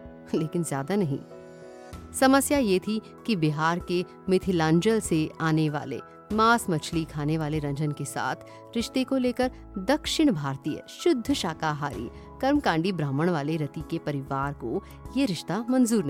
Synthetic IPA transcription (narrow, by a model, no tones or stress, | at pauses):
leːkɪnzjaːd̪anɐɦḭ̃ː | sɐməsjajet̪ʰi | kibɪɦaːɾke | mɪt̪ʰɪlãːɲd͡ʒəlseaːneʋa̰ːlḛ | maːsmɐt͡ʃʰlikʰaːneʋaːleɾɐ̃ɲd͡ʒənkesa̰ːt̪ʰ | ɾɪʃt̪ekoleːkəɾ | d̪ɐkʃɪɽ̃bʱaːɾt̪iːjə̰ʃʊd̪ʱːʃaːkaɦaːɾḭː | kɐɾmkãːɳɖibɾãːməɽ̃ʋaːleɾɐt̪ikepɐɾɪʋaːɾko | jeɾɪʃt̪amɐnzuːɾn